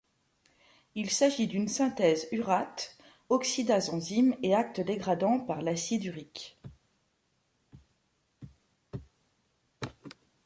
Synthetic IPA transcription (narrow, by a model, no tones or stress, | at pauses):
ilsaʒid̪ynsɛ̃t̪ɛzyʁat̪ | ɔksid̪azɑ̃zimeak̚t̪əd̪eɡʁad̪ɑ̃paʁlasid̪yʁik